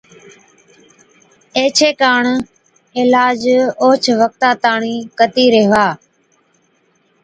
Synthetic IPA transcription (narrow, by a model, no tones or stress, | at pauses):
eːt͡ʃʰeːkaːɳ | ɪlaːd͡ʒoːt͡ʃʰʋək̚t̪aːt̪aːɳiːkət̪iːɾeːʋaː